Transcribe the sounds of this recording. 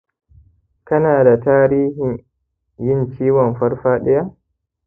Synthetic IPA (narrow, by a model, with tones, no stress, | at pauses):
kɐ˦naː˨da˨taː˦ɾiː˦hɪ˨ɲ | jɪ˦nt͡ʃiː˦wɔ˨mɸɐ˦ɽɸaː˦ɗɪ˦ja˦ʔ